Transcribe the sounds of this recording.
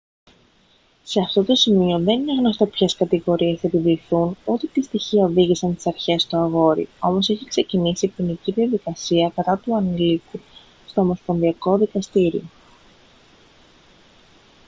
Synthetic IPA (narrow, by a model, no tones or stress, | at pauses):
se̞ɐft̪o̞t̪o̞simio̞ðe̞nineɣno̞st̪o̞pçeskɐt̪iɣo̞ɾiesɐepiviːθunut̪et̪ist̪içiɐoviʝisɐnst̪i̥sɐɾçe̞st̪oɐɣo̞ɾḭo̞mo̞seçikse̞cinisipiniciðiɐðikɐsiɐkɐt̪ɐt̪uɐnliku | st̪o̞ːmo̞sponðiɐko̞ðikɐst̪iɾio̞